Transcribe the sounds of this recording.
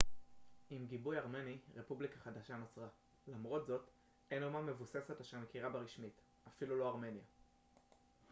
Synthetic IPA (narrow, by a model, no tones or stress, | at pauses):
imɡibujaʁme̞niʁe̞publikaχad̪aʃano̞t͡sʁa | lamʁo̞tzo̞t | ejnomame̞vuse̞se̞taʃeʁmekiʁabeʁiʃmit | afilulo̞aʁme̞nja